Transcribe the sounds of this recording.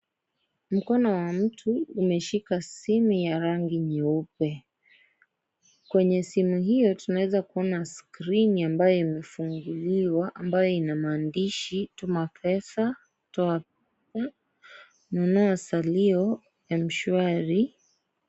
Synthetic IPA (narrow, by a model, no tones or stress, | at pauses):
m̩kɔnɔwam̩tʰuːmɛʃikasimujaɾaŋɡiɲɛupɛ | kwɛɲɛsimuɦijɔtunawɛzakuɔnaskɾiniambajɔimɛfuŋɡuliwaʔambajɔinamaːndiʃitumapʰɛsa | tɔap̚ɛsa | nɔnɔasaliɔ | ɛm̩ʃuaɾi